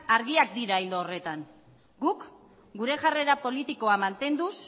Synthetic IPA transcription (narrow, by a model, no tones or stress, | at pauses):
aɾɣiak̚d̪iɾaild̪oːre̞t̪an | ɡuk | ɡuɾe̞ʝare̞ɾapo̞lit̪iko̞amant̪e̞nd̪us